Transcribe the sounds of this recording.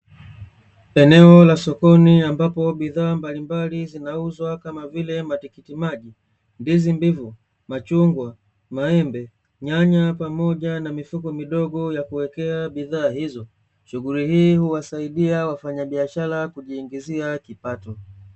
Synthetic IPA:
ɛnɛɔlasɔkɔniambapɔɓiðaːmbalimbalizinauzwakamavilɛmatikitimaʄi | ndizimbivu | mat͡ʃuŋɡwa | maɛmbɛ | ɲaɲapamɔʄanamifukɔmiɗɔɡɔjakuwɛkɛaɓiðaːhizɔ | ʃuɣulihiːhuwasaiɗiawafaɲaɓiaʃaɾakuʄiːŋɡiziakipatɔ

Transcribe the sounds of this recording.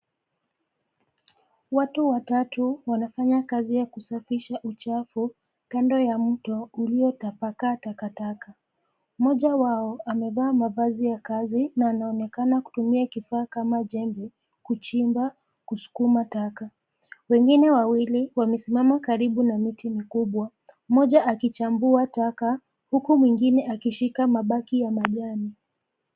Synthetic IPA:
watuwatatuwanafaɲakazijakusafiʃaʔut͡ʃafu | kandɔjam̩tɔuliɔtapakatakataka | mɔʄawaɔʔamɛvaːmavazijakazinaːnaɔnɛkanaku̥tumiakifaːkamaʄɛŋɡɛ | kut͡ʃimba | kusu̥kumataka | wɛŋɡinɛwawiliwamɛsimamakaɾiɓunamitimikuɓwa | mɔʄaʔakit͡ʃambuataka | hukumwiŋɡinɛʔakiʃikamaɓakijamaʄani

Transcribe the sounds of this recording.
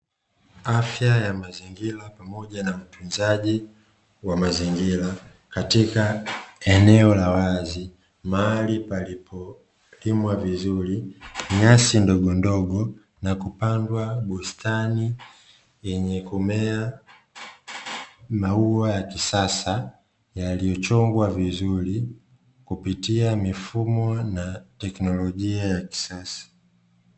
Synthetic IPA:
afjajamaziŋɡilapamɔʄanam̩tʰund͡ʒaʄi | wamaziŋɡila | katikaɛnɛɔlawazi | malipalipʰɔ | limwavizuliɲasindɔɡɔndɔɡɔ | nakupandwaɓustʰani | ɛɲɛkumɛa | mauajakisasa | jalijɔt͡ʃɔŋɡwavizuli | kupitiamifumɔnatɛknɔlɔʄiajaki̥sasḁ

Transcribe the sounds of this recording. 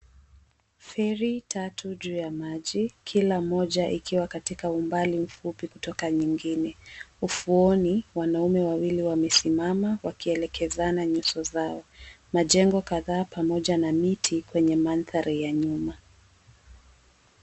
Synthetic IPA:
fɛɾitʰatuʄuːjamaʄikʰilamɔʄaʔikʰiwakatikaumbalim̩fupikutɔkaɲiŋɡinɛufuɔniwanaumɛwawiliwamɛsimamawakiɛlɛkʰɛzanaɲusɔzaɔ | maʄɛŋɡɔkaðaːpamɔʄanamitʰikwɛɲɛmanθaɾʔajaɲuma

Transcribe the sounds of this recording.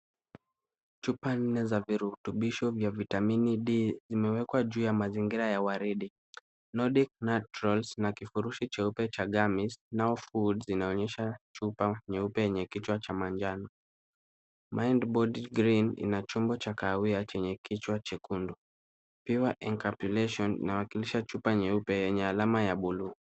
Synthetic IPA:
t͡ʃupan̩nːɛzaviɾutuɓiʃɔvjavitaminiɗizimɛwɛkwaʄuːjamaziŋɡiɾajawaɾiɗi | nɔɗik̚nat͡ʃɾɔlsnakifuɾuʃit͡ʃɛupɛt͡ʃaɠamisnaɔfudzinaɔɲɛʃat͡ʃupaɲɛupɛjɛɲɛkit͡ʃwat͡ʃamand͡ʒanɔ | mʔajndbɔdiɡɾinḭnat͡ʃumbɔt͡ʃakawiat͡ʃɛɲɛkit͡ʃwat͡ʃɛkundu | piwaʔɛŋkapulɛʃɔnḭnawakiliʃat͡ʃupaɲɛupɛjɛɲɛalamajaɓuluː

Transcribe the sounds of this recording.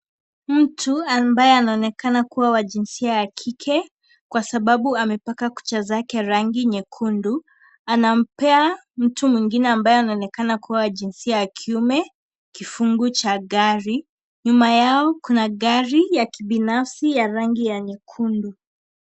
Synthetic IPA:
m̩tʰuambajɛanaɔnɛkanakuwawad͡ʒinsiajakʰikʰɛ | kwasaɓaɓuamɛpakaku̥t͡ʃazakɛɾaŋɡiɲɛkʰundu | anam̩pɛa | m̩tumwiŋɡinɛambajɛanaɔnɛkanakuwawaʄinsiajakʰiumɛ | kifuŋɡut͡ʃaɡaɾi | ɲumajaɔkunaɠaɾijakiɓinafsijaɾaŋɡijaɲɛkʰundu

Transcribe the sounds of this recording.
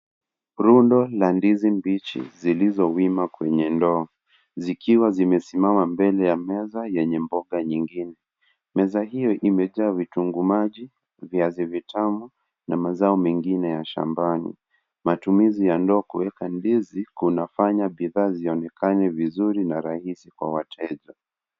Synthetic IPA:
ɾundɔlandizimbit͡ʃḭzilizɔwimakwɛɲɛndɔː | zikiwazimɛsimamambɛlɛjamɛzajɛɲɛmbɔɠaɲiŋɡinɛ | mɛzahijɔʔimɛʄaːvituŋɡumaʄi | viazivitʰamu | namazaɔmɛŋɡinɛjaʃa̰mbanḭ | matumizijandɔːkuwɛkandizikunafaɲaɓiðaːziɔnɛkʰanɛvizuɾinaɾahisikwa̰watʰɛʄɔ

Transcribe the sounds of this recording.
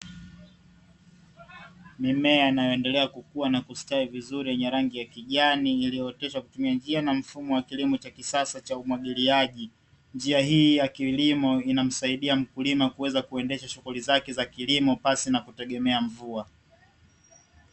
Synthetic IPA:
mimɛainajɔɛndɛlɛakukuanakustaivizuɾijɛɲɛɾaŋɡijakiʄaniːlijɔɛtɛʃakutumiand͡ʒianam̩fumɔwakilimɔt͡ʃakisasat͡ʃaumwaɠiliaʄi | nd͡ʒiaɦiːjakilimɔinam̩saiɗiam̩kulimakuwɛzakuɛndɛʃaʃuɣulizakɛzakilimɔpasinakutɛɠɛmɛaɱvua

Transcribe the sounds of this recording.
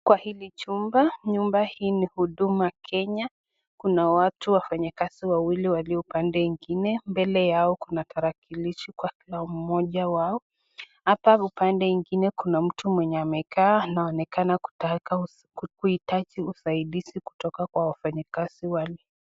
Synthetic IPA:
kwahilit͡ʃumbaɲumbahiːnihuɗumakʰɛɲa | kunawatuwafaɲakaz̥iwawiliwaliɔupandɛiŋɡinɛmbɛlɛjaɔkunataɾakiliʃikwakilam̩mɔʄawaɔ | hapaupandɛiŋɡinɛkunam̩tumwɛɲɛamɛkaːnaɔnɛkanaa | kuitat͡ʃiusaiɗisiku̥tɔkakwawafaɲikaz̥iwalɛ

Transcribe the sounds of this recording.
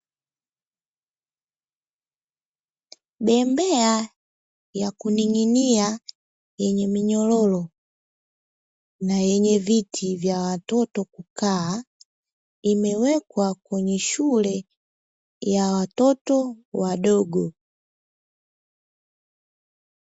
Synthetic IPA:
bɛmbɛa | jakuniŋinia | jɛɲɛmiɲɔlɔlɔ | najɛɲɛvitʰivjawatɔtɔkukaː | imɛwɛkwakwɛɲɛʃulɛ | jawatɔtɔwaɗɔɡɔ

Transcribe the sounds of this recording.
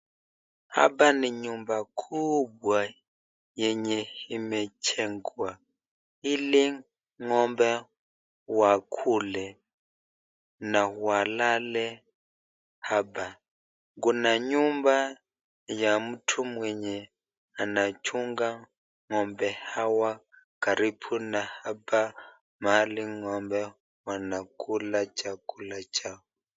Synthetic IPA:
ha̰baniɲumbakʰubwa | jɛɲɛhimɛt͡ʃʰɛŋɡwa | ili | ŋɔmbɛ | wakʰulɛ | nahualalɛ | haba | ŋɡunaɲumba | jamutʰumwɛɲɛ | anat͡ʃʰuŋɡa | ŋɔmbɛhawa | kaɾipʰunahaba | maliŋɔmbɛ | wanakulat͡ʃʰakulat͡ʃau

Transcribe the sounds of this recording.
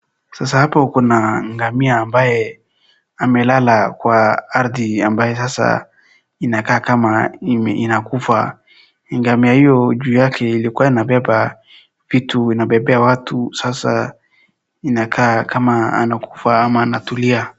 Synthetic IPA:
sasahapakɔnaŋɡamiaːmbaje | amɛlalakwaaɾdiambajesasa̰ | inakaːkamainakufa̰ | iŋɡamiaijɔd͡ʒujakʰɛilikuainabɛba | v̥ituinabɛbɛawatʰusasa̰ | inakʰakʰamaa̰naku̥faamaːnatulia

